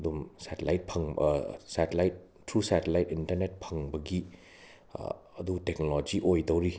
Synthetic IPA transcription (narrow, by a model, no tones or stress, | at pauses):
dumsatelajt̚pʰɐŋsatelajt̚ːɾusatelajtintɐɾnet̚pʰɐŋbɐɡi | ɐdutek̚nolod͡ʒiʔojdɐwɾi